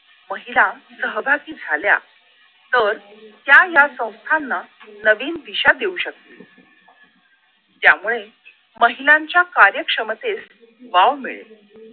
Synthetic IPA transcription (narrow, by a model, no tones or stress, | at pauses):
məɦilasəɦəbʱakiːd͡zʱalja̰ | t̪əɾt̪jajasə̃w̃st̪ʰanːanəʋiːnd̪iɕad̪euɕək̚t̪ḭ | t̪jamuɭe | məɦilaɲt͡ɕjakaɾjəkʂəmət̪es | ʋaʋmiɭḛ